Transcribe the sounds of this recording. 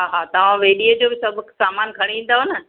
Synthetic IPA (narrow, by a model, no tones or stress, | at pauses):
ɦaɦaːt̪ɐʋ̤ãʋeːɗiəd͡ʑoːbɪsɐbʱʊksaːmaːnkʰɐɽ̃ĩʋĩːn̆d̪aɦonə